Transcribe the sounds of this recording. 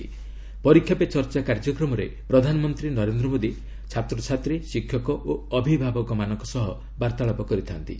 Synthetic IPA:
pɔɾikʰːjapet͡ʃɔɾt͡ʃakaɾd͡ʒɔkɾɔmɔɾepɾɔd̪ʱanɔmɔnt̪ɾinɔɾend̪ɾɔmod̪i | t͡ʃʰat̪ɾɔt͡ʃʰat̪ɾisikʰjɔkɔʔoɔbʱibʱabɔkɔmanɔŋkɔsɔɦɔ | baɾt̪aɭɔpɔkɔɾit̪ʰant̪ḭ

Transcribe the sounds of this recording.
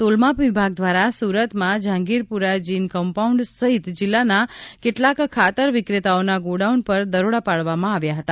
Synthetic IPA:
t̪olmapʋibʱaɡ̚d̪ʋaɾasuɾət̪mãd͡ʒʱãŋɡiɾpuɾad͡ʒinkəmpauɳɖsəɦit̪d͡ʒilːanakeʈlakʰːat̪əɾʋikɾet̪aonaɡoɖauɳpəɾd̪əɾoɽapaɭʋamãaʋjaɦət̪a

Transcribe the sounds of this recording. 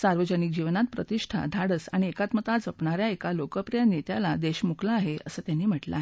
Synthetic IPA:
saɾʋəd͡ʑənik̚d͡ʑiʋnat̪̚pɾət̪iʂʈʰa̰d̪ʱaɽəsaɽ̃iekat̪mət̪at͡sd͡zəpɳaɾjaekalokəpɾijanjet̪jalad̪eɕmuklaːɦeəsəːt̪janːiːm̤əʈla̰e

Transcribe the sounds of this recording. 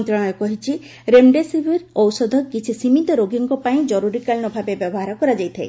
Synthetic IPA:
nt̪ɾɔɽ̃ɔjɔkɔɦit͡ʃʰi | ɾemɖesibʱiɾɔwsɔd̪ʱɔkit͡ʃʰisimit̪ɔɾoɡiŋkɔpaĩd͡ʒɔɾuɾikalnɔbʱabebjɔbɔɦaɾɔkɔɾad͡ʒajt̪ʰae

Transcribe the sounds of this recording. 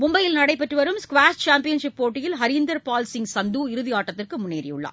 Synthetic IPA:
mʊmbɐjɪlnɐɽɐɪpːɐʈrɯʋɐɾɯmskʋaːst͡ʃaːmpɪjɐnʂɪpːoːʈːɪjɪlɦɐɾɪnd̪ɐɾpaːlsɪŋsɐnd̪uːɪɾɯðɪaːʈːɐt̪ːɪrkɯmʊnːḛːɾɪ̰jʊ̰ɭːa̰ː

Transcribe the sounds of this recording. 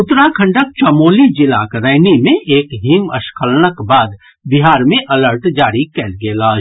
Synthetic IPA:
ʊt̪ɾakʰə̃ɳɖək̚t͡ʃəmoːlid͡ʒɪla̰kɾəːɪnimẽʔeːkɦiːməʃkʰəlnəkbaːd̪ | bɪɦaːɾmẽʔɐləɾʈd͡ʒaːɾikɛːlɡelaːd͡ʒ

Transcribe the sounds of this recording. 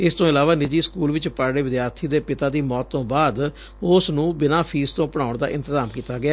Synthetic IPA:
ɪst̪õːɪlaːʋaːnɪd͡ʒiːskuːlʋɪt͡ʃpaːɾɽeːʋɪd̪jaːɾt̪ʰiːd̪eːpɪt̪aːd̪iːmɔːt̪ːõːbaːd̪ | ʊsnũːbɪnaːpʰiːst̪õːpəɽ̃aːʊɳd̪a̰ːʔɪ̃nt̪ɪzaːmkiːt̪aːɡɪjaː

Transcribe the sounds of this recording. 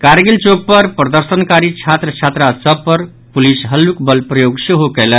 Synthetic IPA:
kaɾɡilt͡ʃoɡ̚pəɾpɾəd̪əɾsənkaɾit͡ʃʰat̪ɾət͡ʃʰat̪ɾasəbpːəɾ | pulisɦəlːukbəlpɾəjoɡseɦokələ

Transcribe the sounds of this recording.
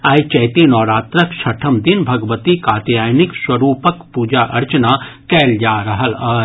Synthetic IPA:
aːjt͡ʃɐːt̪enɔːɾaːt̪ɾəkʃʰɐʈʰəmd̪ɪnbʱɐɡʋət̪ikaːt̪jaːjnɪkswɐɾuːpəkpuːd͡ʒaʔɐɾt͡ʃənakɛːld͡ʒaːɾɐɦəlaː

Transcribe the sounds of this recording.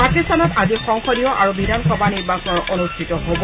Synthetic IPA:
pakistanɔtazixɔŋxɔdijɔʔaɹubʱidankɔbaniɹbasɔnɔɹʔonustʰitɔɦobɔ

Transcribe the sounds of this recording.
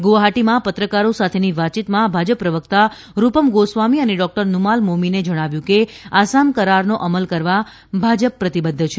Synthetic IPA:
ɡoɦaʈimãpət̪ɾəkaɾosat̪ʰeniʋat͡ʃit̪mãbʱad͡ʒəpːɾəʋəkt̪a | ɾupəmɡosʋamiəneɖɔk̚ʈəɾnumalmomined͡ʒəɽ̃aʋjũke | asamkəɾaɾnoʔəməlkəɾʋa | bʱad͡ʒəpːɾət̪ibəd̪ʱːət͡ʃʰe

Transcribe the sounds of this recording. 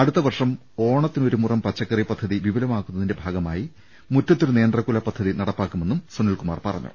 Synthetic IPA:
ɐɽut̪ːɐʋɐrʂɐm | o̞ːɳɐt̪ːino̞ɾumurɐmpɐt͡ɕːɐkːɐripɐd̪ʱːɐðiʋiʋɐlɐmaːkːunːɐðinde̞bʱaːɡɐma̰ːji | mutːɐt̪ːoɾune̞ːnd̪rɐkːulɐpːɐd̪ʱːɐðinɐɽɐpːaːkːumenːumsonilkuma̰ːrpɐrɐ̰ɲːṵ

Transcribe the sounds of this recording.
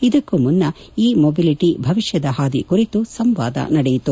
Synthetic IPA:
id̪ɐkːumunːɐ | iːmobiliʈibʱɐʋiʃjɐd̪ɐɦaːd̪ikuɾit̪usɐmʋa̰ːd̪ɐ̰nɐɽɛjit̪u

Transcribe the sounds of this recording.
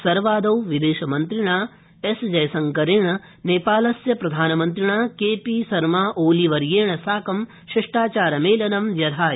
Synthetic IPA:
sɐɾʋaːd̪ɐwʋid̪eːʃɐmɐnt̪ɾiɳaː | esd͡ʒɐjɐsɐŋkɐɾeːɳɐ | neːpaːlɐsjɐpɾɐd̪ʱaːnɐmɐnt̪ɾiɳaːkeːpisɐɾmaːʔoːliʋɐɾjeːɳɐsaːkɐm | ʃɐʂʈaːt͡ʃaːɾɐmeːlɐnɐmjɐd̪ʱaː

